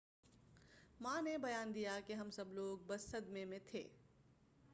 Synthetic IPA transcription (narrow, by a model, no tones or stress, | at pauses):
mãnebɐjaːnd̪ijakiɦɐmsɐbloːɡ̚bɐsːəd̪memẽt̪ʰḛː